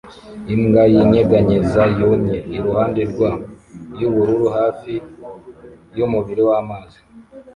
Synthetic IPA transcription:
imɡajiɲeɡaɲezajomɲeiɾuhaːnde̞ɾɡwajuβuɾuɾuɦaːfi | jumuβiɾewamaːzi

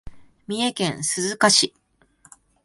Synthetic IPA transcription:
mʲie̞kẽ̞ɰ̃sɨzɨkaɕi

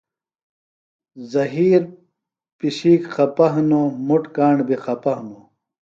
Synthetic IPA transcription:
zɐɦiːɾ | piɕiːkxʰɐpɐɦnomuʈkaːɳɖbiqʰɐpɐɦnu

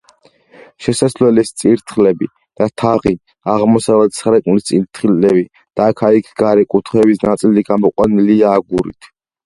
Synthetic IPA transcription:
ʃɛsaslɛlɛst̪sʼiɾt̪ʰχlɛbi | d̪̥at̪ʰaʁi | aʁmɔsavɛt̪sχɾɛkʼnulist̪sʼiɾt̪ʰχiɛbi | d̪̥aːkʰaikʰɡaɾɛkʼut̪ʰχɛbisnat̪sʼiliɡamɔqʼwaniliaːɡuɾḭt̪ʰ

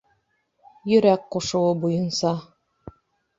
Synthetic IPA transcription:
jɵ̆ɾækqoʃŭwɤbujɤ̆nsɑ

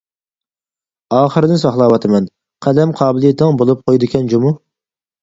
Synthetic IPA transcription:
ɑːχəɾɨd̪ɪnsɑχlˠɑːwɑt̪ʰɨmɛn | qʰæd̪ɛmqʰɑːbɪlˠijet̪ʰnɨŋbolˠup̚qʰojd̪ɨkʲɛnd͡ʒomu

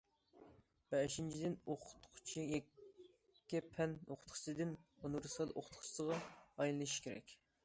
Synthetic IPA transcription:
b̥ɛʃint͡ʃʰid̪ɪnoqʰʊ̥t̪qʰʊ̥t͡ʃʰijɛː | ɛpʰɛnoqʰʊ̥t̪χʰsɨd̪ɪnonuɾɨsɑd̪ʔoqʰʊ̥t̪χʰʊ̥t͡ʃd̪əʁɑɑjlˠɨnɨʃkʲʰeɾɛ̰kʲ

